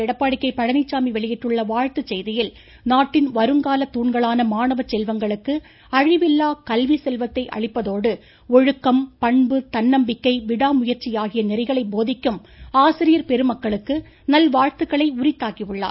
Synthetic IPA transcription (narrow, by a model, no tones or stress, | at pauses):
ɛɽɐpːaːɽɪkːɐɪpɐɻɐnɪt͡ʃːaːmiʋɛɭɪjɪʈrɯɭːɐʋaːɻt̪ɯt͡ʃːɛjðɪjɪl | naːʈːɪnʋɐɾɯŋɡaːlɐt̪ːuːɳɡɐɭaːnɐmaːɳɐʋɐt͡ʃːɛlʋɐŋɡɐɭɯkːɯ | ɐɻɪʋɪlːaːkɐlʋisɛlʋɐt̪ːɐɪʔɐ̰ɻɪpːɐðoːɽɯ | ɔɻɯkːɐmpɐɳbɯt̪ɐnːɐmbɪkːɐɪʋɪɽaːmʊjɐɾt͡ʃːɪjaːɣɪjɐnɪɾɐɪɣɐɭɐɪboːðɪkːɯm | aːsɪɾɪjɐɾpɛɾɯmɐkːɐɭɯkːɯ | nɐlʋaːɻt̪ɯɣɐɭɐɪʊɾɪt̪ːaːkiɯɭːa̰ː